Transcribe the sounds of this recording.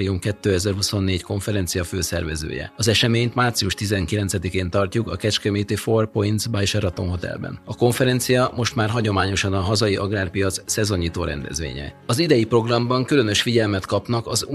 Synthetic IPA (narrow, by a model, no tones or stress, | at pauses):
ɾiumkɛt̪ːøːɛzɛrɦuso̞nːeːɟko̞ɱfɛɾɛnt̪sijɒføːsɛ̰rvɛzø̰ːjɛ̰ɒzɛʃɛmeːɲt̪maːrt̪siuʃt̪izɛŋkilɛnt̪sɛd̪ikeːnt̪ɒrcukɒkɛt͡ʃkɛmit̪iforpoinzbajeʃɛɾɒt̪o̞mɦo̞t̪ɛ̰lbɛ̰nɒko̞ɱfɛɾɛnt̪sijɒmo̞ʃt̪maːrɦɒɟo̞maːɲo̞ʃɒnɒɦɒzɒjiʔɒɡraːrpijɒt̪ssɛzo̞ɲiːt̪oːɾɛ̰nd̪ɛ̰zʋḛːɲɛ̰ | ɒzid̪ɛjipro̞ɡrɒmbɒŋkylø̞nø̞ʃfiɟɛlmɛt̪kɒpnɒkɒz